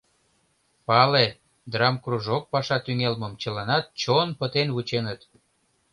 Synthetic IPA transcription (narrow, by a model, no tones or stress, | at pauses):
pɑle | d̪rɑmkruʒok̚pɑʃɑt̪yŋelməmt͡ɕəlɑnɑt̪̚t͡ɕonpət̪enβut͡ɕenət̪